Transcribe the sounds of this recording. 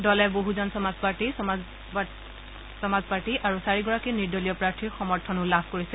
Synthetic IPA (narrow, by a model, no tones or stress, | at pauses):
dɔlɛboɦuzɔnsɔmazpaɹti | sɔmazpaɹtiʔaɹusaɹiɡɔɹakiniɹdolijɔpɹaɹtʰiɹxɔmɔɹtʰɔnʊlabʱkoɹisɛ